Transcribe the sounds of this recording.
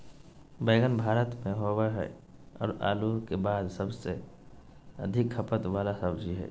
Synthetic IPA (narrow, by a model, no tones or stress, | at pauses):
beːɡənbʱaːɾət̪mẽɦowaɦɛ̰ | ɔ̰ːɾa̰ːluɾkebaːd̪səbse | ə̰d̪ʱɪkʰːəpət̪ʋaːlasəbd͡ʒʱiɦɛ̰ː